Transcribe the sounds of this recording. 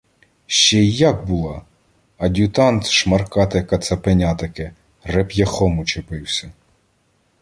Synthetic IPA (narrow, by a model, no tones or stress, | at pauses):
ʃt͡ʃɛjɑk̚bulˠɑ | ɐd̪ʲut̪ɑnt̪ʃmɐrkɑt̪ɐkɐt̪sɐpenʲɑt̪ɐkɪ | repjɐxɔmʊt͡ʃepɪwsʲɐ